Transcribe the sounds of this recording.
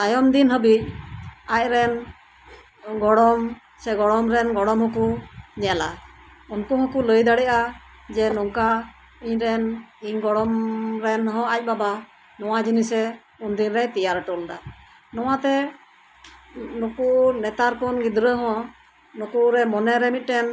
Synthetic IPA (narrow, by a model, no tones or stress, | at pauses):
t̪ajɔmd̪inɦəbic̚ac̚ɾɛn | ɡɔɽɔm | sɛɡɔɽɔmɾɛnɡɔɽɔmɦɔkuɲɛala̰ | unkɔɦɔ̃kuləjd̪aɽɛʔa | d͡ʒɛnɔŋka | iɲɾɛniɲɡɔɽɔmɾɛnɦɔ̃ac̚baba | nɔwad͡ʒinisɛ | und̪inɾɛt̪ɛjaɾʈɔld̪a | nɔwat̪ɛ | nukunɛt̪aɾkɔnɡid̪ɾəɦɔ̃ | nukuɾɛmɔnɛɾɛmit̪̚ˀʈɛn